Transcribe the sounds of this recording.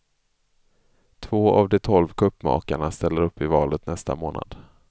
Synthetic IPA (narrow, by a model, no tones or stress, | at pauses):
t̪ʰvoːavd̪ɛt̪ʰɔlvkʰɵpːmɑ̰ːkaɳast̪ɛlːəɾɵpːɪvɑːlət̪nɛst̪a̰moːna̰d̪̥